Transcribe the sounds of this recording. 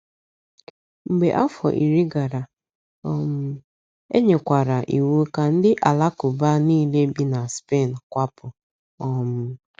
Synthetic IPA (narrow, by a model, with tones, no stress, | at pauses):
ŋ͡m̩˨ɡ͡be˨ʔa˦fɔ̰˨ʔi˨ɾi˦ɡa˨ɾa˨ | ɔ˦mʊ˦ | ḛ˦ɲe˨kʷa˨ɾa˨ʔi˨wu˦ka˨n̩˦dɪ˦ʔa˨la˦kʊ˨ba˦niː˦le˦bi˦na˨spe˦˨n̩˨kʷa˦pʊ˨ | ɔ˦mʊ˦